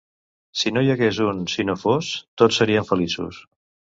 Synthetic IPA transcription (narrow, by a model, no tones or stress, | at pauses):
sinojəɣezunsinofost̪ot͡ssːəɾiəɱfəlisṵs